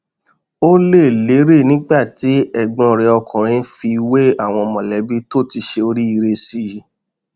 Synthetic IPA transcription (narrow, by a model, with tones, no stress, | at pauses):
o˦le˦˨le˨˦ɾe˦˨nĩ˦ɡ͡ba˦˨ti˨˦ɛ˦˨ɡ͡bɔ̃˧˨ɾɛ˧ɔ˧kʰɔ̃˨ɾ̃ĩ˧˦fi˧we˦a˦˨w̃ɔ̃˧ɔ˧mɔ̃˨lɛ˨˦bi˦to˦˨ti˧ʃe˧o˧ɾi˦i˧ɾe˧si˦˨˦